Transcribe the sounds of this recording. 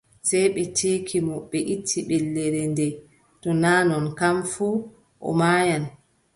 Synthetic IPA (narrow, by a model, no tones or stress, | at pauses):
sɛjɓɛtʰeːkʰimɔɓɛʔitʰːiɓɛlːɛɾɛndɛ | tɔnaːnɔnkamfuː | ʔɔ̰maːjan